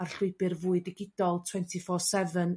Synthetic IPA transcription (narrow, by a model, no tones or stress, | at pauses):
ar̥ɬʊɨbɨrvuːɨdɪɡɪd̥ɔlˠtʰw̥ɛntʰifɔːsɛvən